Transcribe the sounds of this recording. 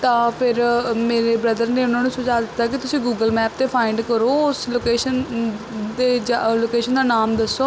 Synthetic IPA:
t̪ãːpʰɪɾmeːɾeːbɾəd̪əɾneːʊnãːnũːsʊd͡ʒaːd̪ɪt̪ːaːkɪt̪ʊsĩːɡuːɡəlmɛːp̚t̪eːpʰaːɪɳɖkəɾoːʊsloːkeːʃən | d̪eːd͡ʒloːkeːʃənd̪aːnaːmd̪əsːoː

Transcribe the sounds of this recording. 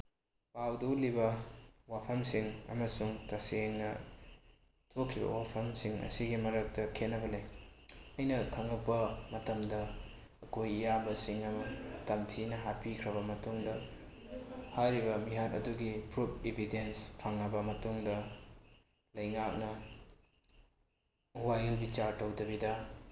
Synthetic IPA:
pawdulibɐwapʰɐmsiŋɐ̰mɐsuŋtɐseŋnɐ | tʰokʰɾibɐ̰wapʰɐmsiŋɐ̰siɡimɐɾɐk̚tɐkʰenːɐbɐle | ɐjnɐkʰɐŋɐk̚pɐmɐtɐmdɐː | kojijabɐsiŋɐmɐtɐmtʰinɐɦapikʰɾɐbɐmɐtuŋdɐ | hajɾibɐmiɦatɐ̰duɡipɾup̚ʰebʱidenspʰaŋːɐbɐmɐtuŋdɐ | lɐjŋak̚nɐ | wajlbit͡ʃaɾtɐwdɐbidɐ

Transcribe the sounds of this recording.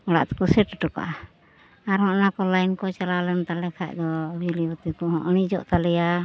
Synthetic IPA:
ɔɽa̰ʔt̪ɛ̥kɔsɛʈʈɔka̰ʔa | aɾhɔ̃ʔnakɔlajnkɔt͡ʃalalɛnt̪alɛkʰaʔd̪ɔbilibət̪ikɔɦɔ̃ʔñid͡ʒɔʔt̪alɛja

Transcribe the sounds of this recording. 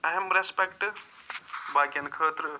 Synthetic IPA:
ɐɦɐmɾespekʈ | baːkʲɐnkʰəːt̪ɾə

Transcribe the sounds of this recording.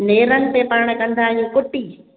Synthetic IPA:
neːɾənɪ̆t̪epaɾɽ̃ə̆kɐ̃nd̪aːɦijũːkʊʈiː

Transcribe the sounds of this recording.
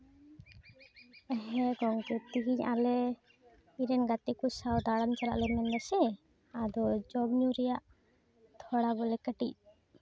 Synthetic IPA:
ɛɦɛɡɔŋkɛt̪iɡiɲalɛ | iɾɛnɡat̪ikusawd̪aɽant͡ʃala̰ʔlɛmɛndɛsɛ | ad̪ɔd͡ʒɔbɲuɾɛjaʔ | t̪ʰɔɽabɔlɛkəʈḭc̚

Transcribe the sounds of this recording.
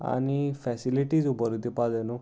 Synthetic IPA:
a̰nipʰɛsiliʈid͡zubɔɾut̪ipad͡zenu

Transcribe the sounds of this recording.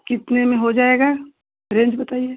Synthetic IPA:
kɪt̪nemẽɦod͡ʒaːeːɡaː | ɾẽːɲd͡ʒbɐt̪aːie

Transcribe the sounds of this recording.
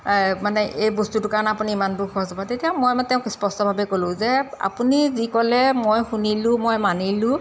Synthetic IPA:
manɛʔʔejbostutʊkaɹɔnɛapuniːmantʊxɔɦɔzɔbatetijamojmtɛʊ̃kspɔstɔbʱabɛkolʊ̃zɛa̰punizikɔlɛmojxunilʊ̃mojmanilʊ̃

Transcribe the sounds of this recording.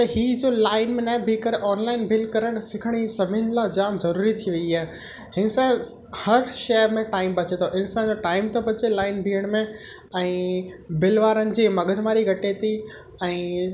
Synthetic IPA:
t̪ɐɦiːd͡ʑoːlaːɪnmẽnaːɪ̃bʱikəɾʔɔːnlaːɪnbɪlkɐɾəɽ̃sɪkʰəɽ̃isɐbʱɪnlad͡ʑaːmzɐɾuːɾit̪ʰiʋɐiaːɦe | hɪnsa | hɐɾʃemẽʈaːɪmbɐt͡ɕet̪ʰoʔɪ̃nsaːnd͡ʑoʈaːɪmt̪obɐt͡ɕelaːɪnbʱiːəɽ̃mẽ | ɛ̃ːbɪlʋaːɾənɪ̆d͡ʑeːmɐɡəd̪ʱmaːɾiɡʱɐʈet̪i | ɛ̃ː

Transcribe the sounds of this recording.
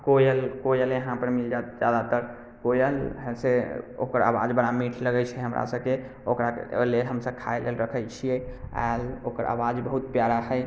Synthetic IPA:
kojəlkojəljəɦãpəɾmild͡ʒat̪̚d͡ʒjad̪at̪əɾ | kojəlɦseo̰kəɾa̰ba̰d͡ʒbəɾamiʈʰləɡət͡ʃʰɛɦəmɾa̰səb̚ke | okɾa̰lelɦəmsəb̚kʰaelelɾəkʰəjt͡ʃʰijɛa̰lo̰kəɾʔa̰wad͡ʒbəɦut̪̚pjaɾaɦəj

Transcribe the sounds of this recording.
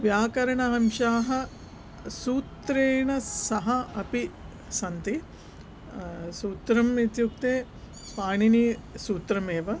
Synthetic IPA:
ʋjaːkɐɾɐɳɐɦɐmʃaːɦɐ̆ | suːt̪ɾeːɳɐsɐɦɐɐpi | sɐnt̪i | suːt̪ɾɐmit̪juk̚t̪eː | paːɳinisuːt̪ɾɐmeːʋɐ

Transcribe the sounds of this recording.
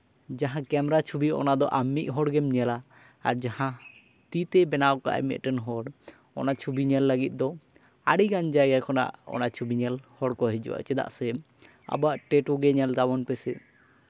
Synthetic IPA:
d͡ʒaɦãkɛmɛɾat͡ʃʰubiɔ̰nad̪ɔʔamːiʔ̚ˀɦɔɽɡɛmɲɛlaː | ɾd͡ʒahã | t̪it̪ɛbɛnaɔka̰ʔa̰mɛ̰t̪̚ʈənɦɔɽ | ɔ̰nat͡ʃʰubiɲɛlːəɡit̪̚ˀd̪ɔ | a̰ɽiɡand͡ʒajɡakʰɔna̰ʔɔ̰nat͡ʃʰubiɲɛlhɔɽkɔɦid͡ʒṵwa̰t͡ʃɛd̪a̰ʔsɛ | a̰baʔʈɛʈuɡɛɲɛlt̪abɔnpɛsɛ

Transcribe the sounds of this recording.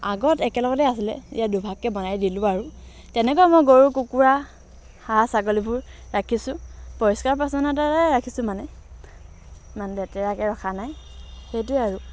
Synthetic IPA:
aɡɔtɛkɛlɔɡɔtɛasilɛ̰ḭjadubʱakːɛbɔnajdilʊaɹu | tɛnɛkɔjɛmɔjɡoɹukukuɹa | xasakolibʊɹɹakʰisʊ̃pɔɹiskaɹpɹasɔnataaɹakʰisʊ̃manɛ | manlɛtɛɹakɛɹɔkʰanaj | xejtʊɛaɹʊ

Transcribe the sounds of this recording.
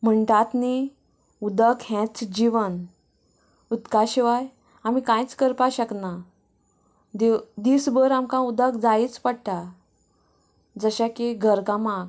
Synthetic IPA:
m̤əɳʈ̪at̪ni | ud̪əkhɛ̃t͡sd͡ʑiʋən | ut̪kaɕiʋaj | am̤ikãjt͡skəɾpaɕəkna | d̪ed̪isbəɾamkãud̪əkd͡zajit͡spəɽt̪a | d͡zəɕakeɡʱəɾkãmãɡ̚

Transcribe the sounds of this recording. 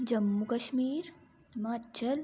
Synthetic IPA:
d͡ʒɐmːukɐʃmiːɾ | maːtːt͡ʃʰɐl

